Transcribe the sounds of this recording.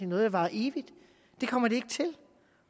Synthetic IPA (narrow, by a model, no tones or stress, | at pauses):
enɔ̽ːð̞̩̥ˠɑ̈ʋɑ̈ʔe̝ːʋid̥ | d̥e̝kʰɒ̽m̰ɐɾ̥e̝e̝ɡ̥ət͡sʰe̝l